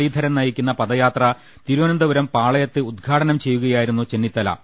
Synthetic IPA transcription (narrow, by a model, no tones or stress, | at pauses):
iːd̪ʱɐɾɐnnɐjikʲːunːɐpɐd̪ɐjaːt̪rɐ | t̪iɾuʋɐnɐnd̪ɐʋɐɾɐmpaːɭɐjɐt̪ːɨud̪̚ɡʱaːʈɐnɐmt͡ɕe̞jːuɣɐjaːjiɾunːut͡ɕe̞nːit̪ːɐlɐ̰